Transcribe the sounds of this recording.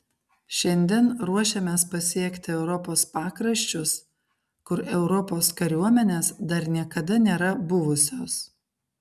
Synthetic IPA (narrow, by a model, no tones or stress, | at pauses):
ʃʲɛnʲd̪ʲɛnɾuɔʃʲemʲeːspɐsʲiɛkʲt̪ʲɪɛʊɾɔpoːspɑːkɾɐʃʲt͡ʃʲʊs | kʊɾɛʊɾɔpoːskɐɾʲuɔmʲɛnʲeːsd̪ɐɾnʲiɛkɐd̪ɐnʲeːɾɐbʊʋʊsʲoːs